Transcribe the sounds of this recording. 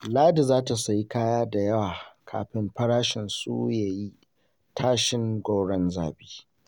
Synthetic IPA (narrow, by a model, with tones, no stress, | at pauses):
laː˦di˨zaː˦ta˨sa˨ji˦kaː˦jaː˦da˨jɐ˦waː˨kʰa̰ː˨ɸɪ˦mɸɐ˦ɽaː˦ʃɪ˨nsṵ˦jaː˨ji˦ | taː˦ʃɪ˦ŋɡʷo˦wɽɐ˦nza̰ː˨biː˦